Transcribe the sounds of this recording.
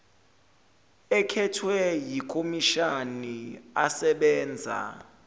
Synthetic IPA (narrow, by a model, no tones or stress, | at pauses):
ɛkʰɛtʰwɛjikʰʼomiʃaniasɛɓɛːnd͡zʱa̰